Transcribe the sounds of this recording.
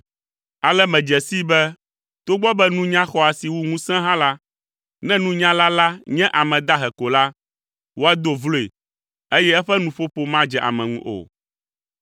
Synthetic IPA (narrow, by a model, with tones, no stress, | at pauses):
a˨lɛ˦mɛ̃˨d͡ʒɛ˨si˦bɛ˦ | t̪o˦ɡ͡bɔ˦bɛ˦nũ˦ɲã˦xɔ˦a˨si˨wu˦ŋũ˦sɛ̃˦ɦã˦la˦ | nɛ̃˦nũ˦ɲã˦la˦la˦ɲɛ̃˦ʔa˨mɛ̃˨d̪a˦ɦɛ˨ko˨la˦ | wo˦a˦d̪o˦vlo˦ḛ˨ | e˦jɛ˦ɛ˦ɸɛ˦nũ˨ɸo˦ɸo˦mã˦d͡ʒɛ˨ʔa̰˨mɛ̃˨ŋṵ̃˦ʔo̰˨